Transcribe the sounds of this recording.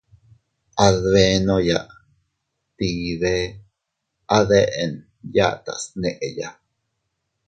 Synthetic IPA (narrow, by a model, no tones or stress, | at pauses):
aðβenojaʔ | t̪iːðe | aðeʔen | ja̰t̪a̰sneʔeja̰